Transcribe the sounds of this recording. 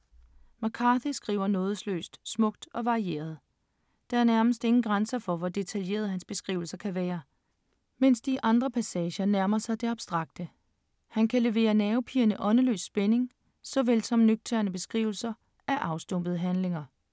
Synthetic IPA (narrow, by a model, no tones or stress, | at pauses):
mɑkʰɑθisɡ̥ʁḭːʊɐnɔ̽ːð̞ˠslø̰ːsd̥smɔ̽ɡ̥̚d̥ɒ̽ʋɑ̈ʁie̝̰ːɐð̞̩ˠ | d̥ɑ̈æɐnæɐməsd̥e̝ŋn̩ɡ̥ʁɑnsɐfɒ̽ʋɒd̥e̝t͡sʰælje̝̰ːɐðˠhænsb̥e̝sɡ̥ʁḭːʊl̩sɐkʰæʋɛːɐ | men̰sd̥iʔɑ̈nd̥ʁɐpʰæsɛːɕɐnæɐmɐsɑ̈ɪd̥e̝ɑ̈b̥sd̥ʁɑ̈ɡ̥̚d̥ə | hænkʰæle̝ʋe̝̰ːɐnɛːʊpʰiːɐnəʔɒ̽nəlø̰ːsːb̥ene̝ŋ | sɒ̽ʋelsɒ̽mnyɡ̥̚t͡sʰeɐnəb̥e̝sɡ̥ʁḭːʊl̩sɐ | ʔæɐʔɑ̈ʊsd̥ɔm̰b̥əðˠɦænle̝ŋɐ